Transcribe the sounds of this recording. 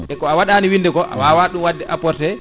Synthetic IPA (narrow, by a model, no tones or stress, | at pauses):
ʔɛkɔawaɗaniwindɛkɔʔa̰wawaɗumwadːɛʔapɔɾtɛ